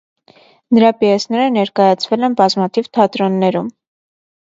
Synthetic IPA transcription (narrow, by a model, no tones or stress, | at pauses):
nəɾɑpiɛsnɛɾənɛɾkɑjɑt͡sʰvɛlɛnbɑzmɑt̪ʰivt̪ʰɑt̪ɾɔnːɛɾum